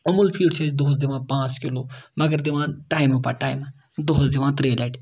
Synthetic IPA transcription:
ɐmulpʰiːɖt͡ʃʰed͡ʒd̪oːs̬d̪iʋãːpãːt͡skiloːmɐɡəɾd̪iʋãːʈaːjmpa̰ʈaːjm | d̪oːsd̪iʋãːt̪ɾelaʈ

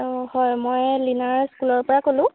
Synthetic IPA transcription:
hɔjmojlinaɹskulɔɹpɔɹakolʊ̃

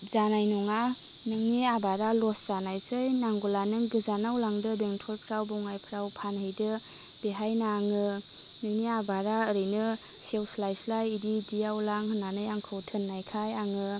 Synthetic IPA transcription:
zanajnɔŋa | nɯŋniabaɾalɔsz̥anajsɯjnaŋɡulanɯŋɡɯzanawlaŋdɯbeŋtʰɔlpʰɾawbɔwŋajpʰɾawpʰanhɯjdɯb̥eɦajnaŋɯnɯŋniabaɾaɯɾɯjnɯ | sewslajslajididijawlaŋhɯnːanɯjaŋkʰɯwtʰɯnːajkʰajaŋɯ

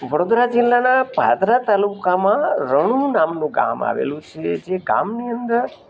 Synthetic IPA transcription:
ʋəɽod̪ɾad͡ʒɪlːanabʱa̰d̪ɾat̪alukamãɾəɽ̃ũnamnũɡa̰ma̰ʋḛlũt͡ʃʰed͡ʒeɡa̰mniənd̪əɾ

